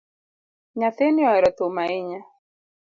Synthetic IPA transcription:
ɲaθeniaɾat̪umaiɲa

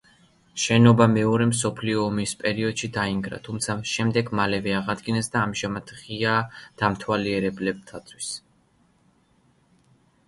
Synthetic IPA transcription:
ʃɛnɔbamɛɔɾɛms̬ɔpʰliɔːmispʼɛɾiɔd̪̥ʃid̪aiŋɡɾa̰t̪ʰumt̪sʰaʃɛmd̪ɛɡmalɛvɛaʁad̪ɡinɛsd̪aːmʒamat̪ʰʁiad̪̥amt̪ʰwaliɛɾɛblɛb̚t̪ʰat̪sʰʼwis

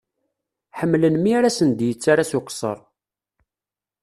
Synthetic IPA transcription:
ħəmːlənmiaɾasənd̪jət͡sːaɾasʊqsˤə̰ɾˤ

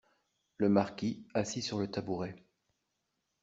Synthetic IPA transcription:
ləmaʁkʲiasisyʁlət̪abuʁɛ

